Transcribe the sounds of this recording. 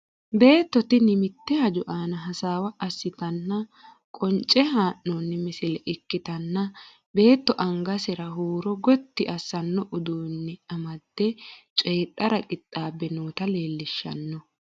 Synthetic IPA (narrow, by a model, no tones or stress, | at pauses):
be̞ːt̪ːɔt̪ɪnɪmɪt̪ːɛhɐd͡ʒʊʔaːnɐɦɐsaːwɐɐsːɪt̪ɐnːɐ | kʼɔnt͡ʃʼɛɦaːʔːɔːnːɪmɪsɪlɛʔɪkːɪt̪ɐnːɐ | be̞ːt̪ːɔʔɐŋɡɐsɛɾɐɦuːɾɔɡɔt̪ːɪʔɐsːɐnːɔʔʊd̪uːnːɪɐmɐd̪̥ːɛt͡ʃʼeːᶑʼɐɾɐkʼɪt̪ʼːaːbːɛnuːt̪ɐle̞ːlːɪʃːɐ̰nːɔ